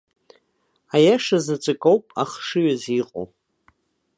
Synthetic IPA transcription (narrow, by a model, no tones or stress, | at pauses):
ajaʂazat͡ʃʷʼɨkʼowpʼaχʂɨɥaziqʼo̰